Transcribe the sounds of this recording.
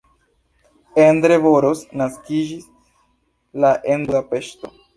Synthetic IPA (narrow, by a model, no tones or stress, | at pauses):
end̪ɾe̞voɾosnaskid͡ʒis | laʔenduape̞ʃto